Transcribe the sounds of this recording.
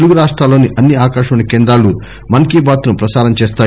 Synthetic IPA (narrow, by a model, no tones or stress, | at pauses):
eluɡuɾaːʂʈɾaːlːoːniʔɐnːiaːkaːʃɐmɐnɐkeːnd̪ɾaːlu | mɐnɐkiːbaːt̪nupɾɐsaːɾɐmt͡ʃeːs̬t̪aː